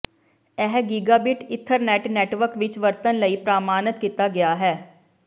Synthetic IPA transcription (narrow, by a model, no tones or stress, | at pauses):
ɛɦɡiːɡaːbɪʈɪt̪ʰːəɾnɛːʈnɛːʈʋəɾkʋɪt͡ʃʋəɾt̪ənləiːpɾaːmaːnət̪kiːt̪aɡɪjaːɦɛː